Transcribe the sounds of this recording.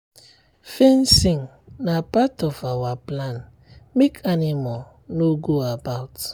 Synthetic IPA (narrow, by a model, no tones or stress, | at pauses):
fensĩŋ | napatɔfawaplãn | mekʰanimɔl | noɡoabaʊt